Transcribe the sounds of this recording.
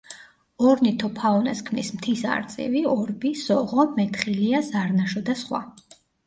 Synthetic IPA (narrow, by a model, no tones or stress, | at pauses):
ɔɾnit̪ʰɔpʰaɔnaskʰmnismt̪ʰisa̰ɾt̪sʼḭviɔɾbizɔʁɔmɛt̪ʰχiliazaɾnaʃɔd̪asχwa̰